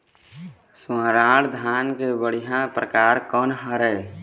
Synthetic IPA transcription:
swãːɾaːɽd̪ʱaːnkebəɽijãpɾəkaːɾkɔːnɦəɾɛː

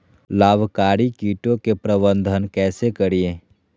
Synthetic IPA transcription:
laːbʱkaːɾikiːʈõkepɾəbə̃nd̪ʱənkɛːsekəɾiẽː

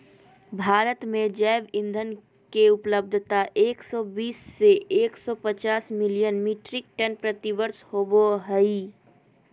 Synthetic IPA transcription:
bʱaːɾət̪mẽd͡ʒɛːʋɪ̃nd̪ʱən | keʊpləb̚d̪ʱt̪aʔeːksɔːbiːsːeʔeːksɔpət͡ʃaːsmɪlijənmiʈɾɪk̚ʈənpɾət̪ibəɾshoːboɦəi

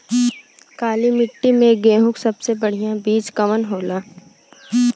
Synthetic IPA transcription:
kaːlimɪʈːimẽɡeːɦʊ̃ksɐbsebɐɽ̤ijãbiːd͡ʒkɐmənɦoːlaː

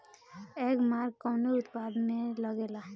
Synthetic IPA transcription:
eːkmaːɾkːɔːneʊt̪paːd̪mẽləɡeːla

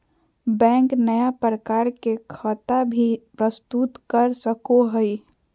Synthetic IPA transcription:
bɛ̃ːŋknəjapɾəkaːɾkekʰət̪abʱipɾəst̪ut̪kəɾsəkoɦəi

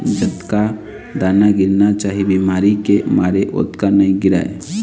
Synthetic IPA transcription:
d͡ʒət̪ka | d̪aːnaɡɪɾnat͡ʃaːɦibimaːɾikemaːɾeʔo̰ːt̪kanaĩɡɪɾa̰ːḛ

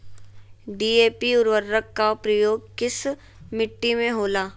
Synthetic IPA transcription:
ɖiːeːpiʊɾʋəɾːəkːapɾɐjoːɡ̚kɪs | mɪʈːimẽɦoːlaː

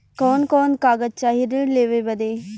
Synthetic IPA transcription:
koːnkoːnkaːɡət̪̚t͡ʃaːɦiɾəleːʋeʋɐd̪eː

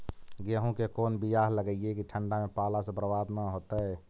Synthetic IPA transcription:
ɡeɦũkekoːnbijaɦləɡəijekiʈʰəɳɖamepalasẽbɾəbad̪naɦot̪ə

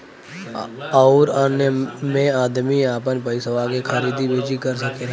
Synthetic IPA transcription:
aɾaːnjəmẽaːd̪miaːpənpəisəʋakekʰəɾiːd̪ibʱeːd͡ʒikəɾsəke

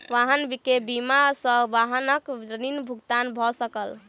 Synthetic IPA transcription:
ʋaɦənbikebimasəʋaɦənəkəninbʱuɡt̪anbʱɔsəkəl

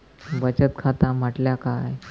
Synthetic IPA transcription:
bət͡ɕət̪̚kʰat̪am̤əʈljakaj

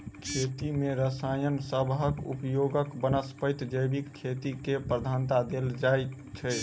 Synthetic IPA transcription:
kʰet̪imeɾəsajənsəbɦəkṵpjoɡəkbənəspət̪d͡ʒəjbikːʰet̪ikepɾəd̪ʱant̪ad̪eld͡ʒaj | t͡ʃʰə

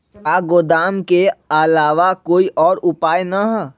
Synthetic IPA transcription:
aːɡoːd̪aːmkeɐlaːʋakoːiʔɔːɾʊpaːjnaɦɛ

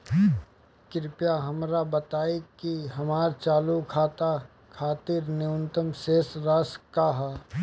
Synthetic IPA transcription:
kɪɾɪpjaɦɐmɾabət̪aːekiɦɐmaːɾt͡ʃaːlukʰaːt̪a | kʰaːt̪ɪɾnɪʊnt̪əmseːsɾaːskaɦa

